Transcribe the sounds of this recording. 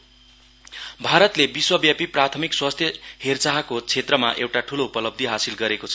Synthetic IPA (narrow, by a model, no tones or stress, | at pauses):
bʱaɾʌt̪lebiswʌbjapiprat̪ʰʌmikswast̪ʰjʌhert͡saɦakot͡sʰet̪rʌmaʔewʈaʈʰuloupʌlʌb̚d̪ʱiɦasilɡʌɾekot͡sʰʌ